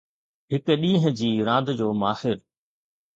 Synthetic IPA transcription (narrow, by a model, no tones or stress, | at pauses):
ɦɪkɗĩːɦə̃d͡ʑiːɾãːnd̪d͡ʑoːmaːhɪɾ